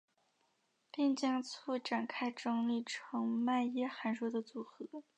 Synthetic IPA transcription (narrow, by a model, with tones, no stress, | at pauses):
pi˥˩ŋt͡ɕjɑ˥ŋt͡sʰu˥˩ʈ͡ʂa˨˩nkʰa˥˩ɪʈ͡ʂɤ˥ŋli˥˩ʈ͡ʂʰɤ˧˥ŋma˥˧ɪjɛ˥xa˧˥nʂwu˥d̪ə˧t͡su˨˩xɤ˧˥˦